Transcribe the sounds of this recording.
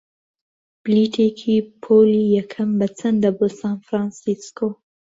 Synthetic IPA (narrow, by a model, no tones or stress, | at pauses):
b̥liʈʰekʰipʰolijakʰambat͡sənd̪əbosɑnfɾɑ̃nsisko